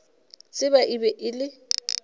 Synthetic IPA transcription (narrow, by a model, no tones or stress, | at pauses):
t͡sʼɪbaʔibɛʔɪlɪ